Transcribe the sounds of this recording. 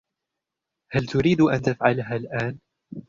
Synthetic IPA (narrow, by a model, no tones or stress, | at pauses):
halt̪ʊɾiːd̪ʔant̪afʕalɦaːlʔaːn